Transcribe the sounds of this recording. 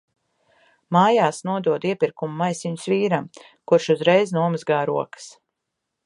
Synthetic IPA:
maːjaːsnuɔd̪uɔd̪iɛpiɾkumːajsiɲʊsviːɾam | kuɾʃuzɾɛjznuɔmɨzɡaːɾuɔkə̥s

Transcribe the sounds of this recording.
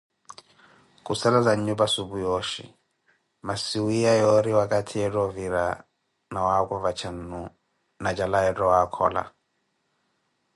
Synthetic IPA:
kʼusalad͡zaɲɲubasubujɔʃḭ | masiwijajɔɾiwakʼatʰiɛtɔviɾa | nawakɔvat͡ʃʰan̩nu | nad͡ʒalaɛtɔwakʰɔ̰ːla̰

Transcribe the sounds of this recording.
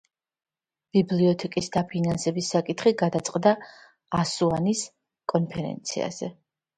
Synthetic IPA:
b̥ibliɔt̪ʰɛkʼisd̪apʰinansɛbisːakʼit̪ʰχiɡad̪at̪sʼqʼd̪aː | suanis | kʼɔnpʰɛɾɛ̰nt̪sʰḭa̰z̥ɛ

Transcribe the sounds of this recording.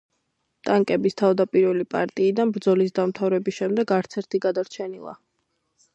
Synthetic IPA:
t̪ʼaŋkʼɛbist̪ʰavd̪apʼiɾvɛlipʼa̰ɾt̪ʼiːd̪anbɾd̪zɔlis̬d̪amt̪ʰavɾɛbisʃɛmd̪ɛɡaɾt̪sʰɛɾt̪ʰiɡad̪aɾt͡ʃʰɛnilˠa̰

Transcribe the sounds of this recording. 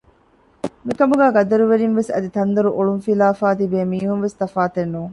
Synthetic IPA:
mikɐmuɡæːɡɐd̪ɐɾuʋeɾinʋesɐ̰d̪it̪ɐnd̪ɐɾuʔoɭunfilaːfaːt̪ibeːmiːɦumʋest̪ɐfaːt̪enːuːŋ

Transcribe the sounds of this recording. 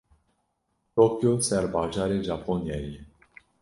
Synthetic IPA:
t̪okjoseaɾbaʒaːɾeʒaponijajeje

